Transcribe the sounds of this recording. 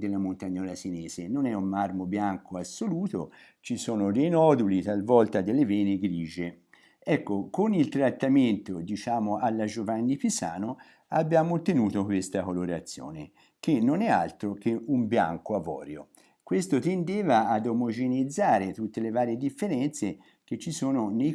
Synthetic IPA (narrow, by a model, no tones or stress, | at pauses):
d̪elːamont̪aɲːɔːlasinɛːzenonɛummarmobjaŋkoasːoluːt̪o̰ | t͡ʃisoːnod̪ejnɔːd̪ulit̪alvɔlt̪ad̪elːevɛːniɡɾiːd͡ʒe | ɛkːokonilt̪ɾat̪ːament̪od̪it͡ʃaːmoʔalːad͡ʒovanːipisa̰ːno | abːjaːmot̪ːenuːt̪okwest̪akoloɾat̪sːjo̰ːnḛ | k̟enːonɛa̰lt̪ɾok̟eʔumbja̰ŋkoavɔ̰ːɾjo | kwest̪ot̪end̪eːvaad̪omod͡ʒenid̪zːaːɾet̪ut̪ːelevaːɾjed̪ifːeɾɛnt̪se | k̟et͡ʃːisoːnonej